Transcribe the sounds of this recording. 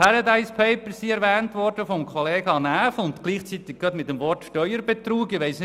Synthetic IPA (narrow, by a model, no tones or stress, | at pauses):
pʰæɾɑd̪aɪspʰeɪpəɾsiɛɾʋɛːntʋɔrd̥əfɔmkχɔleːɡɑnæːfʊnt̪kliːχt͡sit̪ɪk̚ɡ̥ɑt̪mɪtːəmʋɔrtʃtœʏəɾb̥et̪ɾuːɡɪʋɛɪsn